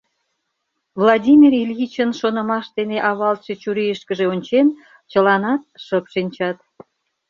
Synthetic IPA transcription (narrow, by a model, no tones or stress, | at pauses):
vlˠɑdʲimʲirilʲjit͡ɕənʃonə̆mɑʃt̪eneʔɑβɑlt̪ʃet͡ɕuɾijəʃkəʒeonʲt͡ɕen | t͡ɕəlɑnɑt̪̚ʃəpʃinʲt͡ɕɑt̪̚